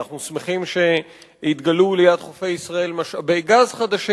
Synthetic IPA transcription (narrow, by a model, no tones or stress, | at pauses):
aχnusmeχimʃe̞ | it̪ɡalulejad̪χofejisʁae̞lmaʃabeɡazχad̪aʃi